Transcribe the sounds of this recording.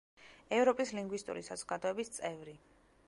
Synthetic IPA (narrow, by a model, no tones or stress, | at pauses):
ɛvɾɔpʼisliŋɡwist̪ʼṵɾḭsazɔɡad̪ɔɛbist̪sʼɛvɾi